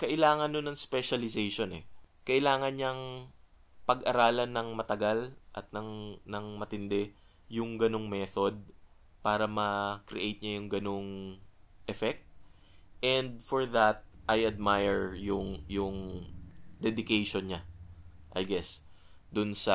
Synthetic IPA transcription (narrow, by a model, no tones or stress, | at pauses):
kɐʔɪlaːŋɐnːʊnːɐŋspɛʃɐlɪsejʃonɛ̰kɐʔɪlaːŋɐnɲɐŋ | pɐɡʔɐɾaːlɐnːɐŋmɐt̪ɐɡalʔɐt̪̚nɐŋnɐŋmɐt̪ɪnd̪ɛ | jʊŋɡɐno̞ŋmɛt̪o̞d̪̚ | paːɾɐmɐkɾɪʔejt̪̚ɲajʊŋɡɐno̞ŋ | ʔɛfɛk̚t̪̚ | ʔɛnd̪̚foɹðɐt̪̚ʔajʔɐd̪̚majɛɹjʊŋjʊŋ | d̪ɛd̪ɪkejʃonɲaʔɐjɡɛs | d̪ʊnsɐ